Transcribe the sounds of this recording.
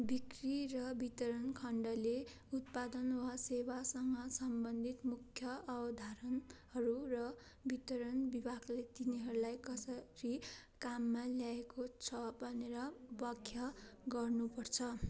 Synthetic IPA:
bikrirʌbit̪ʌɾʌnkʰʌɳɖʌle | ut̪̚pad̪ʌnwasewasʌŋɡʌsʌmbʌnd̪ʱit̪mukʰjʌːbʌd̪ʱaɾʌnhʌɾurʌ | bit̪ʌɾʌnbibʱaklet̪iniɦʌɾulajkʌsʌɾikamːaljaekot͡sʰʌbʱʌneɾʌbʌkʰjʌɡʌrnupʌrt͡sʰʌ

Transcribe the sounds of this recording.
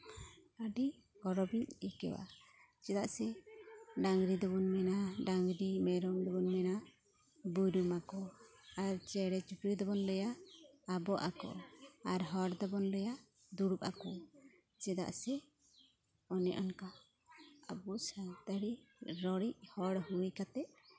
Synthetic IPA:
aɖi | ɡɔɾɔbiɲikɛ̰wa̰ | t͡ʃɛd̪aʔsɛ | ɖaŋɡɾid̪ɔbɔnmɛnaɖaŋɡɾimɛɾɔŋd̪ɔbɔnmɛna | bujɾumakɔaɾt͡ʃɛɽɛt͡ʃukɾid̪ɔbɔnlɛjaː | bɔʔakɔ̰aɾɦɔɽd̪ɔbɔnlɛja | d̪uɽupa̰kɔ | t͡ʃɛd̪a̰ʔsɛ | ɔnɛʔɔnka | abusat̪aɽiɾɔɽiʔ̚hɔɽhujkat̪ɛʔ

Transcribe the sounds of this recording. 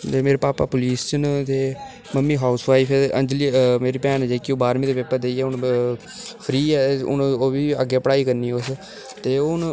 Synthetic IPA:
eːmeːɾeːpaːpa̰ːpʊliːst͡ʃənt̪eː | məmːiːɦaːʊsʋaːipʰɛənd͡ʒliːmeːɾiːpɛːnːd͡ʒeːkioːbaːɾmĩːd̪eːpepːəɾd̪eiɛːʊn | pʰɾiːɛʊ̰noːʋiːəɡːeːpəɽaːiːkəɾniːʊs | t̪eːʊn

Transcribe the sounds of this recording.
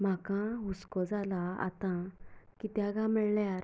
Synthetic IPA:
m̤akãɦuskɔd͡zalaa̰t̪ãkit̪jaɡãməɭljaɾ

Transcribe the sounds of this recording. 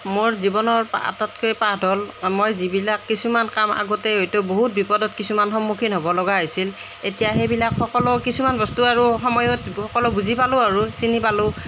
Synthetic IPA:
moɹzibɔnɔɹpa̰tatkojpadʱɔlmojzibilakːisumankama̰ɡɔtɛɦojtoboɦut̚bipɔdɔtkisumanxɔmːukʰinɦobɔlɔɡaɦojsil | etijaɦebilakxɔkɔlɔkisumanbɔstuaɹuxɔmɔjɔtxɔkɔlɔbuzipalʊ̃aɹusinipalʊ̃

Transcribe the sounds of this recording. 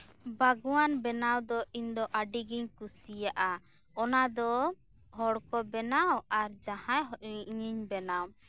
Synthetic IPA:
baɡwanbɛnawd̪ɔiɲd̪ɔʔaɖiɡiɲkusijaʔa | ɔnad̪ɔ | ɦɔɽkɔbɛnawaɾd͡ʒahãjɦɔʔɲiɲbɛnaw

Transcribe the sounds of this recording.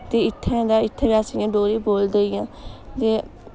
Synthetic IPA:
t̪eːɪt̪ʰːɛ̃d̪aːɪt̪ʰːẽːbaːsijãːɖoːɾiːboːld̪əijãːd͡ʒ̪eː

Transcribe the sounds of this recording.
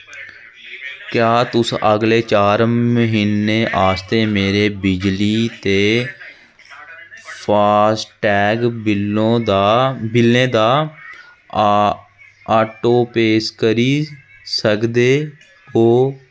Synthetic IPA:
kjaːt̪ʊsʔəɡleːt͡ʃaːɾməɦiːnːeːʔaːst̪eːmeːɾeːbɪd͡ʒliːt̪eː | pʰaːsʈɛːɡɪobɪlːẽːd̪aː | aːʈoːpeːskəɾiː | səkd̪eː | oː

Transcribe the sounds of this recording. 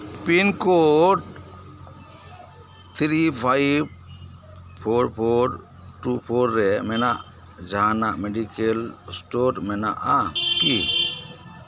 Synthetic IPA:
pinkoʈ | t̪ʰɾipʰajb̚ | pʰoɾpʰoɾ | ʈupʰoɾːɛmɛnaʔ | d͡ʒaɦanaʔmeɖikelsʈoɾmɛna̰ʔaki

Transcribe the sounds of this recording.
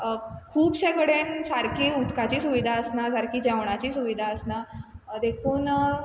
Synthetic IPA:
kʰuːpɕɛ̃kəɽensaɾkʰiːut̪kat͡ɕiːsuʋid̪ʱaəsnasaɾkiːd͡ʑɛʋɳ̃at͡ɕiːsuʋid̪ʱaəsnad̪ekʰuːn

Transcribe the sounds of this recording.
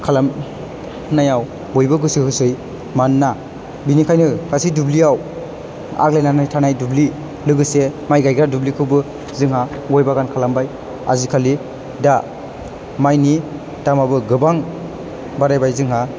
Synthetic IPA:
kʰalam | najaw | bɔjbɯɡɯsɯhɯsɯj | manːa | binikʰajnɯkasidubliaw | a̰klejnanajtʰanajdubli | lɯɡɯsemajɡajɡɾadublikʰɯwbɯ | zɯŋha | ɡɔjbaɡankʰalambaj | a̰zikʰali | da | majni | damabɯɡɯbaŋ | baɾajbajzɯŋɦa

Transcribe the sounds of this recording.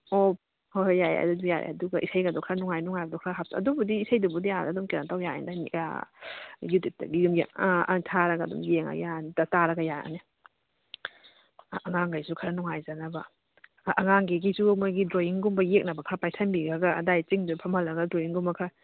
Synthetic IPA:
o | hojajɐ̰duduja̰ɾḛɐ̰duɡɐʔisɐjɡɐdɔkʰɾanuŋajnuŋajɡɐdɔkʰɾaɦap̚taɐ̰dubudiisɐjdubudiadadumkeɾantawjaḛndania̰ | jutip̚tɐ̰ɡijumja̰tʰaɾɐɡɐdṵmjeŋɐ̰jantɐtaɾɐɡɐjaa̰ni | ʔɐŋaŋɡajsukʰɐɾɐnuŋajzanɐbɐ | ʔɐŋaŋɡeɡisumojɡidɾoiŋɡumbɐjek̚nɐbɐkʰɾɐpajtʰɐmbiɡɐɡɐɐdajt͡ʃiŋdupʰɐmɐlɐɡɐdɾoiŋɡumbɐkʰɾɐ

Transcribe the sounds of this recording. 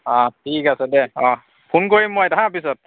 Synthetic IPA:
ɔ̃tʰikasɛdɛɔ̃ | pʰunkoɹimːojtaɦãpisɔt̚

